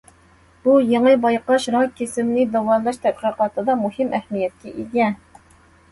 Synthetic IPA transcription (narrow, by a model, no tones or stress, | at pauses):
b̥ujeŋəbɑjqɑʃɾɑkʲʰːesɪmlɪd̪ɑwɑlˠɑʃt̪ʰɛt̪̚qəqɑt̪ʰɨd̪ɑmuhɪmʔɛhmijɛt̪̚kʲʰɛʔiɡʲɛ